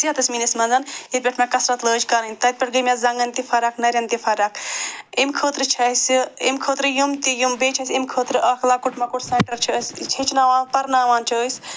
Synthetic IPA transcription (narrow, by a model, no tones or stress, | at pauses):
siɐt̪ɐsmiːnɐsmɐnzanit̪̚pʲeʈʰmãkɐsɾɐt̪ləːd͡ʒkaɾɐnʲt̪ɐt̪̚pʲɐʈ̚ʰɡəmʲaːzɐ̃ŋɡɐnt̪ifʰɐɾaknɐɾʲjɐnt̪ifʰɐɾakʰimkʰoːt̪ɾɨt͡ʃʰɐsemkʰoːt̪ɾɨjumt̪ijumbeːt͡ʃʰɐsʲimkʰoːt̪ɾɨʔɐkʰlaːkuʈʰmɐkuʈʰseɳʈɐɾt͡ʃʰoːsʲt͡ʃʰit͡ʃʰnaːʋaːnpɐɾnaːʋaːnt͡ʃʰoːsʲ